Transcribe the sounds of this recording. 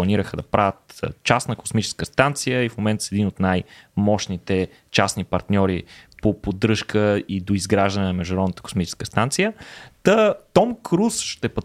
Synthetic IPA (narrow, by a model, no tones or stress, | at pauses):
ɐniɾəxəd̪ɐpɾʔavət̪t͡ʃasnəko̥smit͡ʃɛ̥skəst̪ant̪sijəifmomɛnt̪əsɛd̪inot̪najmɔʃnit̪ɛ | t͡ʃasnipɐɾt̪nʲɔɾipopod̪ɾɤʃkəid̪oizɡɾaʒd̪ɐnɛnɐmɛʒd̪ʊɾɔd̪nət̪ə̥ko̥smit͡ʃɛ̥skəst̪ant̪sijət̪ət̪ɔmkʰɾusʃt̪ɛpɐ